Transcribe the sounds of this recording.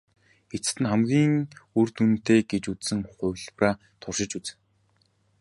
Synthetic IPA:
xet͡s̆t̪ɘ̆nχæmɡʲiːŋurt̪unt̪eːɡet͡ɕut͡ssɘ̆ŋχʊwʲɮpraː | t̪ʰʊrʃɪ̆t͡ɕut͡sɘ̥̆

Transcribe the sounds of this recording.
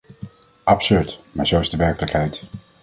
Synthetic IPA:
ʔɑpsøɹtmaːɹzowɪzdəʋɛɹkələkɦɛjt

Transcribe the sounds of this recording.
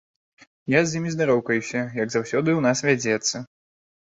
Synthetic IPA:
jazʲjimʲizd̪aɾɔwkɐjusʲɐjɐɡzawsʲɔd̪ɨwnasvʲad͡zʲɛt̪sːɐ

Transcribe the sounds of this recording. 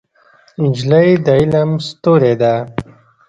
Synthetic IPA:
nd͡ʒləjd̪əilamst̪oːɾed̪a

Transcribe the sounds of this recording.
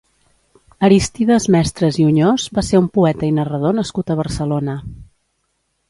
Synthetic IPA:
əɾist̪iðəzmɛst̪ɾəziuɲozbaseumpuɛt̪əinərəðonəskut̪əβ̞əɾsəlonə

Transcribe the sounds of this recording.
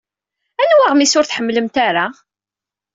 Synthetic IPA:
ænwaʁmisʊɾθħəmːləmt̪aɾa

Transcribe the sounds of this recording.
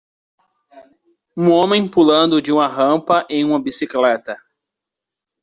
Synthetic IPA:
ũõmẽj̃pulɐ̃nd̪ʊd͡ʒɪũmɐɦɐ̃mpɐʔẽj̃ũmɐbisiklɛt̪ɐ

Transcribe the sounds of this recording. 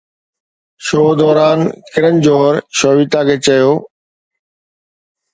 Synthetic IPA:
ʃoːd̪ɔːɾaːnkɪɾənd͡ʑoːɾʃoːʋit̪akʰeːt͡ɕɐjoː

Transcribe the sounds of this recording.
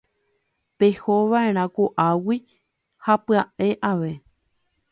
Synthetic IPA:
pe̞hoʋaʔe̞ɾ̃ãkoʔawi | hapɨaʔe̞ʔaʋe̞

